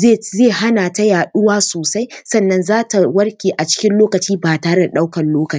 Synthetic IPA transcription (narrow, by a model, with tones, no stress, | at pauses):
zeː˦˨zeː˦˨ɦa˦naː˨ta˦jaː˨ɗʊ˦waː˦soː˨sa˦jsɐ˦˨nːɐ˦nzaː˦ta˨wɐ˦ɽkʲeː˨ʔa˨t͡ʃɪ̥˦kʲɪ˦nloː˦kɐ˨t͡ʃiː˦baː˨taː˦ɽa˨ɗa˦wkɐ˨nloː˦kɐ˨t͡ʃi˦